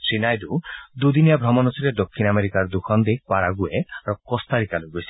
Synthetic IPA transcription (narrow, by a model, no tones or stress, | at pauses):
sinajd̪ud̪ud̪inijabʱɾɔmɔnɔsɔɾed̪okʰːinameɾikaɾd̪ukʰɔnd̪epwaɾaɡueaɾɔkɔst̪aɾikaloɡoesi̥